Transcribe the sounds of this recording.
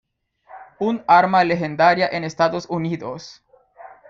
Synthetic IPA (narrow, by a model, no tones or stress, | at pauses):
unaɾmalexend̪aɾjaʔenest̪aðosuniðos